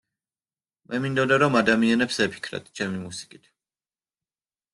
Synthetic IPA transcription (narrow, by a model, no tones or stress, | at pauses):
mʔɛmind̪ɔd̪aɾɔmad̪amianɛpsɛpʰi̥kʰɾa̰d̪t͡ʃʰɛmimusi̥kʼit̪ʰ